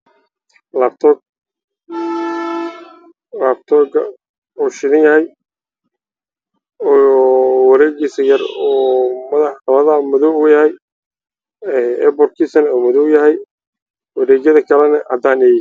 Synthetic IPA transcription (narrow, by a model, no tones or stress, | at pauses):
laːbt̪ʰɔk̚ | laːb̚t̪ʰɔɡɐ̰ | ɔːʃɪðɪnjɐhɛj | wɐɾɛːɡiːsɐjɐrɔːmɐðɐħɐβɐðɐmʊðɔwʊjɐhɛj | ɛːɛ̰bɔrkʰiːsɐnɔːmʊðɔwjɐɦɛj | wɑɾɛːɡɐðɐkʰɐlɛnɐʔɐd̪aːnɛːjɪ